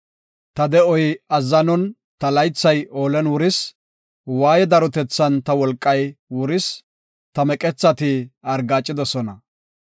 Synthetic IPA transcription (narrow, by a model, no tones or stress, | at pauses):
t̪ɐd̪ɛɔjɐzːɐnɔn | t̪ɐlɐjt͡sːɐjʔoːlɛnwʊɾɪs | waːjɛd̪ɐɾɔt̪ɛt͡sːɐnt̪ɐwɔlkʼːɐjwʊɾɪs | t̪ɐmɛkʼɛt͡sːɐt̪ɪɐɾɡaːt͡ʃʼːɪd̪ɔsɔnɐ